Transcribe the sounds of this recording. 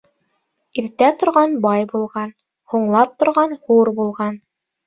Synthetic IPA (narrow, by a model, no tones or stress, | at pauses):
iɾt̪æt̪ŏɾʁɑnbɑjbulˠʁɑn | huɴlˠɑp̚t̪ŏɾʁɑnhuɾbulˠʁɑn